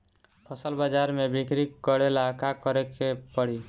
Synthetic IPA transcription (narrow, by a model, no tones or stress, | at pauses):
pʰɔsəlbad͡ʒaɾmebikɾikɡɔɽelakakɔɾekʰepɔɽ̤i